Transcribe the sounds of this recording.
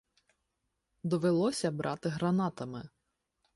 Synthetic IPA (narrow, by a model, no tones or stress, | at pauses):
d̪ɔʋelˠɔsʲɐbɾʔɑt̪ɪɦɾɐnɑt̪ɐmɪ